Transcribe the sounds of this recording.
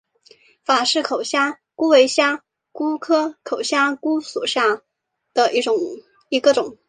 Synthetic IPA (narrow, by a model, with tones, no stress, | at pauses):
fa˨˩ʂɻ̩˥˩kʰo˨˩ʊɕja˥ | ku˥we˧˥ɪɕja˥ | ku˥kʰɤ˥kʰo˨˩ʊɕja˥ku˥sṵ˨˩ɕja˥˩ | d̪̥ə˨ʔi˥˩ʈ͡ʂʊ˨˩˦ŋ | i˧˥ɡə˥˧ʈ͡ʂʊ˨˩˦ŋ